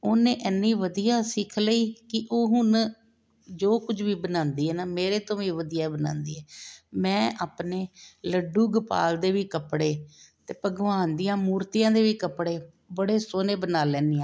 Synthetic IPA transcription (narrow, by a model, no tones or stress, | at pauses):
oːnẽːʔɛnːiːʋəd̪ijaːsɪkʰləiːkɪʔoːɦʊn | d͡ʒoːkʊd͡ʒʋiːbənãːnd̪iːɦɛːnaːmeːɾeːt̪õːʋiːʋəd̪ijaːbəna̰ːnd̪iːɦɛːmɛ̃ːʔaːpneːləɖːuːɡəpa̰ːld̪eːʋiːkəpɽeːt̪eːpəɡʋaːnd̪ɪjãːmuːɾt̪ɪjãːd̪eːʋiːkəpɽeː | bəɽeːsoːneːbənaːlɛ̃ːnd̪ijãː